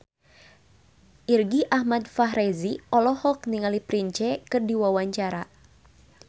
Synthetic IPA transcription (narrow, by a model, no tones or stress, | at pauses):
ʔirɡiʔahmad̪̚faɦɾɛziɔlɔhɔk̚niŋalipɾiɲt͡ʃɛkɨrdiwawaɲt͡ʃaɾa